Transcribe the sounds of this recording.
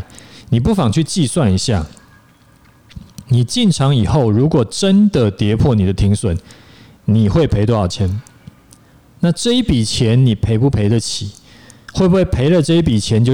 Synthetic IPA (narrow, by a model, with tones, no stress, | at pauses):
ni˨˩p̬u˥˩fɑ˨˩ŋt͡ɕʰy˥˧t͡ɕi˥˧swa˥˨ni˧˦ɕja˥˩ | ni˨˩t͡ɕi˥˨nʈ͡ʂʰɑ˧˥ŋi˨˩xo˥˨ʊɻu˨˧˦kwɔ˨˩ʈ͡ʂə˦nd̪ə˨t̪jɛ˧˦pʰwɔ˥˨ni˨d̪ə˦t̪ʰi˧˥ŋswə˨˩˦n | ni˨˩xwe˥˩ɪpʰe˧ɪt̪wɔ˥˦ɑ˨˩t͡ɕʰjɛ˧˦n | na˥˨ʈ͡ʂɤ˥˨i˦˩pi˨˩t͡ɕʰjɛ˨˦nni˨˩pʰe˧˥ɪpu˥˩pʰe˨˦ɪd̪ə˨t͡ɕʰi˨˩˦ | xwe˥˩ɪbu˥hwe˥˩ɪpʰe˧˦ɪlə˨ʈ͡ʂɤ˥˧i˥p̬i˨˩t͡ɕʰjɛ˧˦nt͡ɕjo˥˧˨